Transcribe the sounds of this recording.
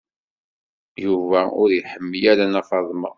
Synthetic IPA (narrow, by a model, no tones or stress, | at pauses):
juvæʊɾjiħəmːijæɾænɑfɑðˤmə̰